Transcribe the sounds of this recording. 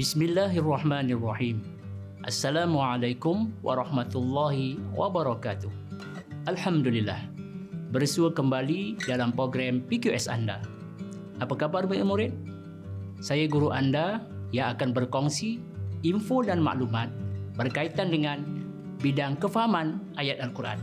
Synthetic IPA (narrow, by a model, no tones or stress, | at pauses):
bismilːaɦarːɑħmaːnarˤːɑħiːm | ʔa̰sːalamuʕalajkʊmwʔa̰ɾˤɑhmat̪ulːɑɦiwʔa̰bəɾɑkat̪ʊh | ʔalħamdulilːa̰hbərsuəkəmbalidalampɾoɡɾampikuʔɛsa̰nda̰ | ʔapakabarməimuɾɪt̪̚ | sajaɡuɾuʔandajaakanbərkɔŋsi | iɱfodanma̰ʔlumat̪̚bərkait̪andəŋan | bidaŋkəfaɦamanʔajat̪̚alkurʔa̰n